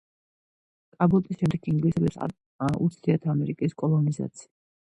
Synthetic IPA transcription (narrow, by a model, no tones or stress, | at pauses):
kʼabɔt̪ʼisʃɛmd̪ɛkʰiŋɡlisad̪sa̰ | aṵt̪sʰd̪̥iat̪ʰaamɛɾikʼiskʼɔlˠɔniza̰t̪sʰi̥a